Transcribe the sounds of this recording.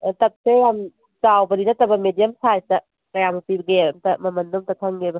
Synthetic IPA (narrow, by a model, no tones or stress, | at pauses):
tɐk̚sejam | t͡ʃawbɐɾinɐtɐbɐmedijɐmsajstɐ | kɐjamupibɡemtɐmɐmɐndomtɐkʰɐŋɡebɐ